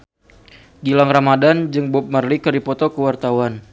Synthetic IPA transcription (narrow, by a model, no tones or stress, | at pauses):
ɡilaŋramadand͡ʒɨŋbʊp̚mərlikəɾipɔt̪ɔkəwart̪awan